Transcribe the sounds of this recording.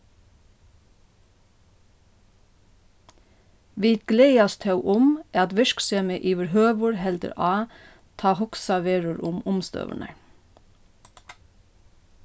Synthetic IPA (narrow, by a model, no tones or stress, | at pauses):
ʋiːt̪̚ɡ̥leɪɑst̪ʰɑʉʔʊmʔæːɑt̪ʋɪʃkseːməʔiːʋəɾhøːʋʊɹhɛld̪ə̰ɾʔɑː | t̪ʰɑːhʊksɑʋeːɹʊɾʊmʊmst̪ø̰ːʋə̰ɳə̰ɹ